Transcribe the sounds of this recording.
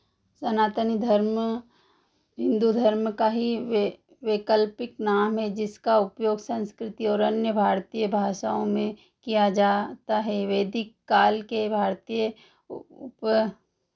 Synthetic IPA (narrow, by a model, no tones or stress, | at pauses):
sɐnaːt̪ənid̪ʱəɾm | ɦɪ̃nd̪ud̪ʱəɾmkaɦi | ʋekəlpɪknaːmɦɛ̃d͡ʒɪskaʊpjoːɡsə̃nskɾɪt̪iɔːɾɐnjəbʱaːɾt̪ijəbʱaːʃaːõmẽ | kijad͡ʒaːt̪aɦɛʋeːd̪ɪkːaːlkebʱaːɾt̪ijə | ʊp